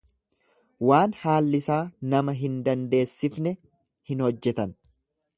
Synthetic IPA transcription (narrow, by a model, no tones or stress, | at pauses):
waːnhaːlːɪsaːnɐmɐɦɪnd̪ɐnd̪e̞ːsːɪfnɛ | hɪnhɔd͡ʒːɛt̪ɐn